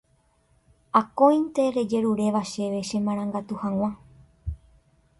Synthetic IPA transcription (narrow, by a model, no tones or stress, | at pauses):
akõj̃nt̪e̞ɾe̞d͡ʒe̞ɾuɾe̞ʋaʃe̞ʋe̞ʃẽ̞mãɾ̃ãŋɡat̪uhãw̃ʷã